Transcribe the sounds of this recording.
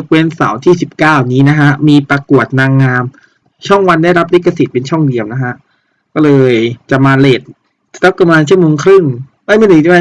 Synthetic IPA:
k̚weː˧nsa̰˩˦wt̪ʰiː˥˩si˨˩p̚kaː˥˩wniː˦˥na˦˥kʰa˦˥ʔmiː˧pɾa˧ku˨˩ət̪̚naː˧ŋːaː˧m | t͡ɕʰɔ˥˩ŋwa˧ndaː˥˩jɾa˦˥p̚le˦˥kːa˧si˨˩t̪̚pe˧nt͡ɕʰɔ˥˩ŋdi˧əwna˦˥kʰa˦˥ʔ | kɔː˥˩lɤː˧jt͡ɕa˨˩maː˧leː˨˩t̪̚ | t̪a˦˥ka˧mlaː˧nt͡ɕʰɯ˥˩əmoː˧ŋkʰɾɯ˥˩ŋ | ʔa˧˥˩ma˧˩˨nɯː˨˩t̪i˥˩ma˧

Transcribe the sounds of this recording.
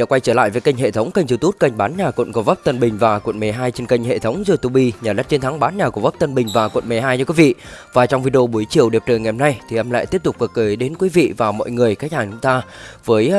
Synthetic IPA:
kwa˧jt͡ɕəː˧˩la̰ː˧˨jvəː˨˦jkə˧jŋ̟ɦḛ˧˨t̪ʰə˨˦wŋ͡mkə˧ŋ̟t͡ɕi˨˩t̪u˦˥t̚kə˧jŋ̟ɓaː˨˦nɲaː˨˩kw̰nkɔ˧˩və˦˥p̚t̪ə˧nɓï˨˩ŋ̟vaː˨˩kwə̰˧˨nme˨˩ɦaː˧jt͡ɕe˧nkə˧jŋ̟hḛ˧˨t̪ʰə˨˦wŋ͡mzɨ˧t̪u˧˩ɓi˧ɲaː˨˩lə˦˥t̚t͡ɕe˧nt̪ʰa˨˦ŋɓaː˨˦nɲaː˨˩ku˧˩və˦˥p̚t̪ə˧nɓï˨˩ŋ̟vaː˨˩kwə̰˧˨nme˨˩ɦaː˧jɲɨ˧kwi˨˦vḭ˧˨vaː˨˩t͡ɕɔ˧wŋ͡mvi˧ɗo˧ɓu˨˦əjt͡ɕḭ˧˨əwɗi˨˩əp̚ɗəː˨˩jŋa˨˩˨na˧jt̪ʰi˨˩ʔɛ˧mla̰ː˧˨jt̪i˦˥əp̚t̪ʊ˨˩k͡p̚kə˨˩k̚kəː˨˦jɗe˨˦nkwi˨˦vḭ˧˨vaː˨˩wmɔ̰ː˧˨jŋɨ˨˩əjkaː˦˥k̟haː˨˩t͡ɕʊ˨˦ŋ͡mt̪aː˧vəː˨˦j

